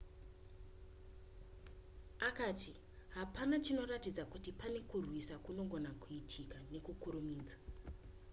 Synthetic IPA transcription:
akaːti | ɦapanat͡ʃino̞ratid͡zakutipane̞kurwisakuno̞ɡo̞nakuitʰikane̞kukuɾumiːd͡zḁ

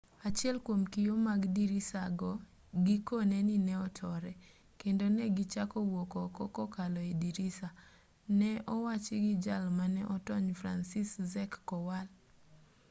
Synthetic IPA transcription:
at͡ʃɪɛlkwomkijomaɡdiɾisaɡɔ | ɡikonɛninɛɔtʰɔɾɛ | kendonɛɡɪt͡ʃakɔwokɔkɔkɔkalɔediɾisa | nɛɔwat͡ʃɪɡɪd͡ʒalmanɛʔɔtɔɲfɾa̰nsiszɛkːɔwal

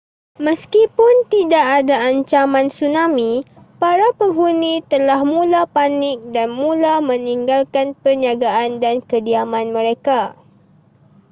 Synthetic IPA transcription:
məskipʊnt̪idaʔadaaɲt͡ʃamãnsunamĩ | paɾapəŋɦunit̪əlahmũlapanɪk̚danmũlamə̃niŋɡalkanpərɲaɡaʔandankədiamãnmə̃ɾeka

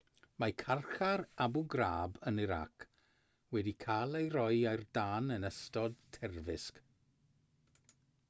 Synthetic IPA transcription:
makʰarχarabʊɡraːbənɪɾa̰kʰ | wɛdikʰaːlˠejɾɔjajrdaːnənəstɔdtʰɛrvɪsk

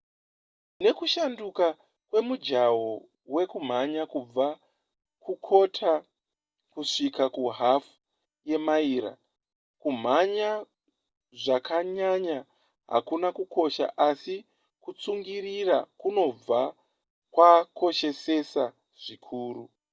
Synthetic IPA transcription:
ne̞kuʃanduka | kwe̞mud͡ʒawo | we̞kum̤aɲakub͡va | kukʰo̞tʰa | kuʂikakuɦafu̥ | je̞maiːɾa̰ | kum̤aɲa | ʐakʰaɲaɲa | ɦa̰kunakuko̞ʃa̰ʔasi | kut͡suŋɡirirakuno̞b͡va | kwakʰo̞ʃe̞se̞sa | ʐ̥ikʰuːru

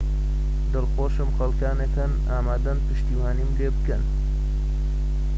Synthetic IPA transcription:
d̪ɨlxoːʃɨmxɐlkaːnekʰɐn | aːmaːd̪ɐnpʰɨʃt̪iːwaːnimleːbɨkɐn

